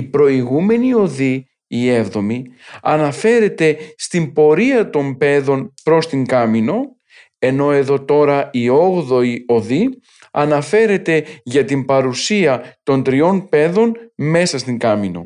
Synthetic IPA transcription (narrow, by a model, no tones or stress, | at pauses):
ipɾo̞iɣume̞nio̞ðiː | evðo̞miɐnɐfe̞ɾe̞t̪e̞st̪imbo̞ɾiɐt̪o̞mpe̞ðo̞npɾo̞st̪iŋɡɐmino̞ | e̞no̞e̞ðo̞t̪o̞ɾɐio̞ɣðo̞io̞ði | ɐnɐfe̞ɾe̞t̪e̞ʝɐt̪impɐɾusiɐt̪o̞nd̪ɾio̞npe̞ðo̞nme̞sɐst̪iŋɡɐmino̞̰